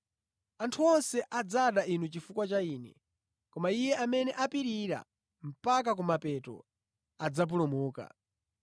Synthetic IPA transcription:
antʰuɔnsɛʔad͡zaɗainut͡ʃifukwat͡ʃaiːnɛ̰ | kɔmaijɛʔamɛnɛʔapiɾiɾa̰ | m̩pak̬ak̬umapɛtɔ̰ | ad͡zap̬ulumuːka̰

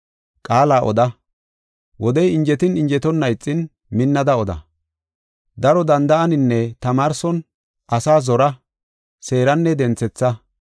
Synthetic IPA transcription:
kʼaːlaːʔɔ̰d̪ɐ | wɔd̪ɛjɪɲd͡ʒɛt̪ɪnɪɲd͡ʒɛt̪ɔnːɐjt͡sʼːɪn | mɪnːɐd̪ɐɔd̪ɐ̰ | d̪ɐɾɔd̪ɐnd̪ɐʔɐnɪnːɛt̪ɐmaːɾsɔn | ʔɐsaːzɔɾɐ | se̞ːɾɐnːɛd̪ɛnt͡sːɛt͡sːɐ

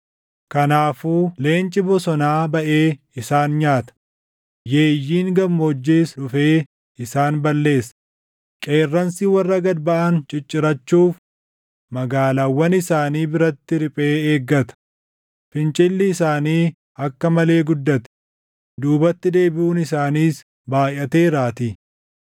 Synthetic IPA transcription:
kɐnaːfuːle̞ːnt͡ʃʼɪbɔsɔnaːbɐʔe̞ː | ɪsaːnɲaːt̪ɐ̥ | je̞ːjːiːŋɡɐmːoːd͡ʒːiːsᶑʊfe̞ː | ɪsaːnbɐlːe̞ːsɐ̥ | kʼe̞ːrːɐnsiːwɐrːɐɡɐd̪bɐʔɐnt͡ʃʼɪt͡ʃʼːɪɾɐt͡ʃːuːf | mɐɡaːlaːwːɐnɪsaːniːbɪɾɐt̪ːɪɾɪpʼeːeːɡːɐt̪ɐ̥ | fɪnt͡ʃʼɪlːɪːsaːniː | ɐkːɐmɐle̞ːɡʊd̪ːɐt̪ɛ̥ | d̪uːbɐt̪ːɪd̪e̞ːbɪʔuːnɪsaːniːs | baːjɐt̪e̞ːɾaːt̪i

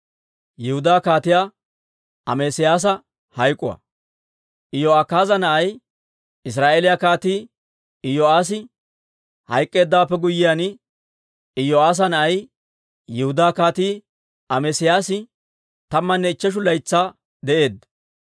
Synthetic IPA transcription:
jɪhʊd̪aːkaːt̪ɪjaː | ɐ̰meːsɪjaːs̬ɐ | hɐjkʼʊ̰wɐ̰ | ʔɪjoːaːkaːzɐnɐʔɐj | ɪs̬ɾaːʔelɪjɐkaːt̪iː | ɪjoaːs̬ɪ | hɐ̰jkʼːe̞ːd̪ːaːpːɛɡʊjːɪjanɪ | ɪjoaːs̬ɐnɐʔɐj | jɪhʊd̪aːkaːt̪iː | ɐmeːsɪjaːsɪ | t̪ɐmːɐnːɛɪt͡ʃːɛʃ̬ʊlɐjt͡sːaː | d̪ɛʔe̞ːd̪ɐ

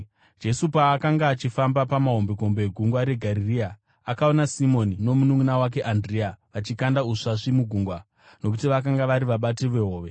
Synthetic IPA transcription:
d͡ʒe̞supaːkaŋɡaːt͡ʃifambapamaɦo̞mbeko̞mbeɡʱuŋɡwaɾe̞ɡʱaɾiria | akao̞nasimo̞nino̞munuŋunawak̬e̞ʔandriaʋat͡ʃikandauʂaʂimuɡʱuŋɡwa | nok̬utiʋakaŋɡaʋaɾiʋaɓateʋeɦoːʋe̞

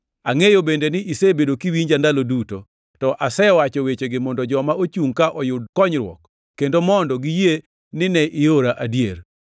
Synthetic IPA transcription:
aŋejobendenɪʔisebedokiwiɲd͡ʒandaloduto | tɔʔasɛwat͡ʃɔwet͡ʃeɡɪmɔndɔd͡ʒɔmaot͡ʃuŋkaʔɔjʊd̚kɔɲɾwɔ̰kː | endomɔndɔɡije | nɪnɛʔɪoɾaʔadjer

